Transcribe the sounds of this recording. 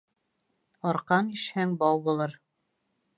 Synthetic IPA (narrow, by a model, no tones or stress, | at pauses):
ɒɾqɑniʃhæŋbɒwbulˠɤɾ